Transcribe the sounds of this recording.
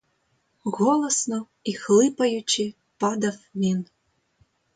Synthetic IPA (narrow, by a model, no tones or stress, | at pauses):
ɣɔlˠɐsnɔ | ixlˠɨpɐjut͡ʃi | pɑd̪ɐfmʲin